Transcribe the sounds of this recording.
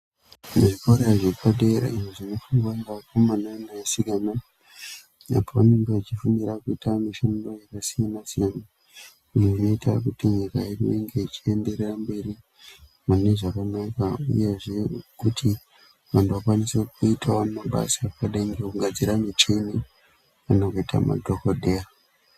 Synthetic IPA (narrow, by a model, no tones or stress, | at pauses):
meʐikoɾeʐekʰaɗeɾa̰iʐeʐino̞fuŋɡwaŋɡakomananajasiɡana | a̰poʋane̞ŋɡeʋat͡ʃifuniɾakuitamiʃando̞jakasijanasijana | iʐeʐino̞ita̰kutiɲikairieŋɡe̞it͡ʃiende̞rerambe̞ɾi | mane̞ʐakanakaṵje̞ʐe̞kutʰi | ʋantuʋakwanisekuitʰaamaɓa̰sapaɗeŋɡekuɡad͡ziɾanit͡ʃeni | anokoitʰa̰ma̰dʱokodʱea